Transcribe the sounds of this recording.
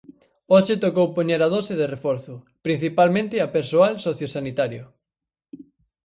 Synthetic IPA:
oʃɪt̪okowpoɲeɾɐð̞osɪðerefɔɾθʊ | pɾin̟θipalmẽnt̪ɪɐpeɾsoalsoθjosanit̪aɾjʊ

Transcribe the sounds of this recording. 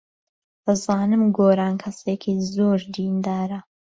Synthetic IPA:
ɐzaːnɨmɡoːɾaːnkʰɐseːkʰiːzoːɾd̪ind̪aːɾɐ

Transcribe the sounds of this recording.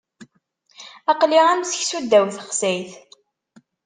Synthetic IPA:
ɑqliʁæmsəçsud̪ːæwθəχsæjθ

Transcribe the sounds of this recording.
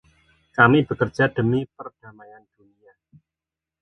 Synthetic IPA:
kamib̥ə̤kərd͡ʒ̥ʒ̥a̤d̪̥ə̤mipərd̥a̤majand̪̥unia

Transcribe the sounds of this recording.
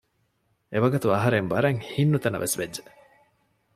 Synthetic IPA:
eʋɐɡɐt̪uɐɦɐɾeŋbɐɾɐŋhinːut̪ɐnɐ̰ʋʔesʋedːd͡ʒe

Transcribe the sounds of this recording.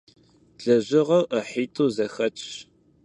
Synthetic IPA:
ɮɐʑɪʁɐwʔəħiːtʰʼuːzɐxɐt͡ʃʼɕ

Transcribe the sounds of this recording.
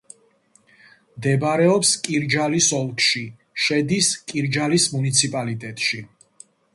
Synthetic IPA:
md̪ɛbɾɛɔpskʼiɾd͡ʒalisɔlˠkʰʼʃi | ʃɛd̪iskʼiɾd͡ʒalismunit̪sʰipʼalit̪ʼɛt̪ʼʃi

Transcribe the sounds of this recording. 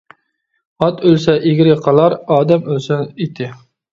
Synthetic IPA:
ɑt̪ʰølsɛʔeɡʲɪɾɪqʰɑlˠɑɾɑːd̪ɛmølsɛnit̪ʰɪ

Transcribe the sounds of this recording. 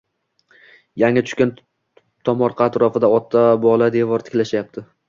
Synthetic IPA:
jaŋʲat̪ʰʊ̥ʃʲkʲan | t̪ʰɒmɒɾqʰɑaːt̪ɾɒfɪd̪aɒt̪ʰːabɒlˠad̪e̞vɒɾt̪ʰɪ̥kʲlaʃajap̚t̪ʰɪ

